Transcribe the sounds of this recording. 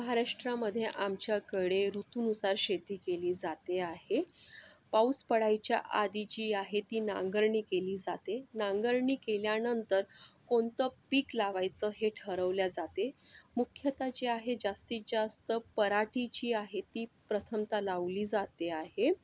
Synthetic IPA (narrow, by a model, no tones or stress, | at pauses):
məɦaɾaʂʈɾaməd̪ʱjeʔamt͡ɕjakəɽeɾut̪unusaɾɕet̪iːkeliːd͡zat̪eaɦepawspəɽajt͡ɕja̰ʔad̪it͡ɕiːaɦet̪iːna̰ŋɡəɾɳiːkeliːd͡zat̪enaŋɡəɾɳiːkeljanənt̪əɾkoɳt̪əpiːklaʋajt͡səɦeʈʰəɾəʋljad͡zat̪emukʰjət̪at͡ɕiaɦed͡zast̪id͡zast̪əpəɾaʈit͡ɕiːaɦet̪iːpɾət̪ʰəmt̪alaʋliːd͡zat̪eaɦe